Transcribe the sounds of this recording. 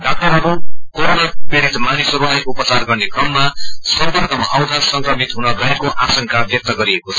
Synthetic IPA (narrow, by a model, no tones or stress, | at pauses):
ɖak̚ʈʌɾɦʌɾukoɾonʌpeɽit̪manisʌɾuajʔupʌt͡sarɡʌrnekrʌmːasʌmbind̪ʌmʌaw̃d̪asʌŋkrʌmit̪ɦunʌɡʌekoʔasʌŋkabjʌk̚t̪ʌɡʌɾiekot͡sʰʌ